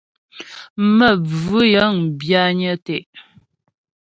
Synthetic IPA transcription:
mə˦˨b͡vʉ˦jə˨˦ŋ˨bja˦ɲə˦tɛ˦˨ʔ

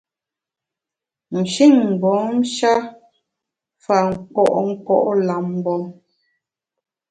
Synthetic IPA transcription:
n̩˨ʃi˦˨ŋ̩˨bɔ˨˦m̩˦ʃa˦ | fa˨ŋ̩˨kɔ̰˦˨ʔŋ̩˦kɔ̰˦˨ʔla˨m˦bɔ˨

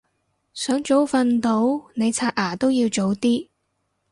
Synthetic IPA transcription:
sœː˨˥ŋt͡ʃo˨˥wfɐ˨˧nt̪o˨˥wne˨˧jt͡sʰaː˧t̚ʔaː˨˩t̪o˥wjiː˧wt͡so˨˥wt̪iː˥

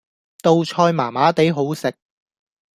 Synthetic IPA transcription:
t̪o˧wt͡ʃʰɔː˧jmaː˨˩maː˨˥t̪e˨˥jɦo˨˥wsɪ˨k̚

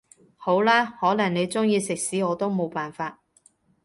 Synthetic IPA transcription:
ho˨˥wlaː˥hɔː˨˥lɐ˨˩ŋne˨˧jt͡sʊ˥ŋjiː˧sɪ˨k̚siː˨˥ɔː˨˧˥t̪o˥wmo˨wpaː˨˩nfaː˧t̚

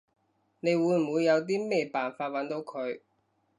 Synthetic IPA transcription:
ne˨˧jwuː˨˧jm̩˨uː˨˧jːɐ˨˧wt̪̬iː˥mɛː˥˩paː˨˩nfaː˧t̚wɐ˨˥nt̪o˨˧wkʰɵ˨˧ɥ

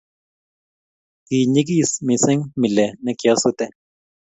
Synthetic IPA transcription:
ki˨ɲi˦k̬i˦˨smi˨sɪ˦ŋmi˨lɛ˨nɛ˦kja˦su˦t̪ɛ˦

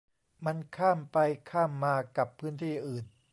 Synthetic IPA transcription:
ma˧nkʰaː˥˩mpa˧jkʰaː˥˩mːaː˧ka˨˩pʰːɯː˦˥˨nt̪ʰiː˥˩ʔɯː˨˩n

